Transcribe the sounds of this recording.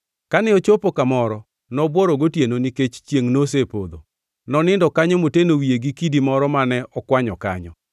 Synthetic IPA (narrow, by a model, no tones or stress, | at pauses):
kanɛot͡ʃopokamɔɾɔ | nɔbwɔɾɔɡotjenoniket͡ʃt͡ʃjeŋnos̬epod̪o̰ | nɔnɪndɔkaɲɔmotenowieɡikidimɔɾɔmanɛɔkwaɲɔka̰ɲɔ̰